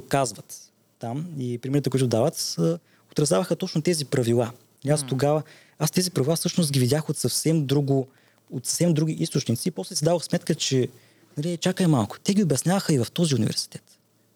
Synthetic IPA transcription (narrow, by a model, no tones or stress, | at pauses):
kazvɐt̪ː | amipɾimiɾt̪əkʊuit̪ʊd̪avət̪ə | ot̪ɾɐzjavəxət̪ɔt͡ʃnot̪ɛzipɾɐvilˠa | ast̪oɡavə | ast̪ɛzipɾɐvilˠafsɤʃnʊst̪̚ɡʲivid̪ʲaxot̪sɐfsɛmd̪ɾuɡʊ | ot̪sə̥fsɛmd̪ɾuɡ̟ʲiʔist̪ʊt͡ʃnit̪siːpɔslɛsid̪avəxsmɛt̪kət͡ʃɛ | nɐliɛt͡ʃakəɛmalˠkʊ̥t̪ɛɡʲiobʲjɐsnʲjavɐxəivɐft̪ɔziunḭvɛ̰ɾsi̥t̪ɛt̪